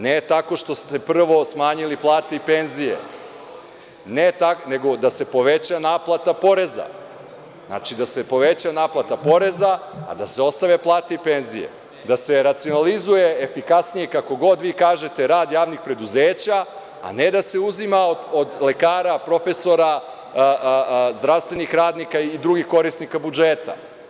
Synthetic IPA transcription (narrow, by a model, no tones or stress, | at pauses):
net̪ako̞ʃt̪o̞st̪e̞pr̩ʋo̞smaːɲiliplˠaːt̪eipenzije̞̰ | net̪ane̞ɡo̞d̪ase̞po̞ʋe̞t͡ɕanaːplˠat̪apo̞ɾe̞za̰ | zna̰ːt͡ʃid̪ase̞po̞ʋet͡ɕanaːplˠat̪apo̞ɾe̞za̰ːd̪ase̞o̞st̪aʋe̞plˠaːt̪eipe̞nzijḛ | d̪ase̞ɾat̪sio̞nalizuje̞efikasnijekako̞ɡo̞d̪ʋiːkaːʒe̞t̪e̞ɾaːd̪jaːʋnixpɾe̞d̪uzeːt͡ɕa̰ː | ne̞d̪ase̞uzimaood̪le̞kaːɾapɾo̞fe̞so̞ɾa | zd̪ɾaʋst̪ʋe̞nixɾaːd̪nikaid̪ɾuɡixko̞ɾisnikabud͡ʒeːt̪a̰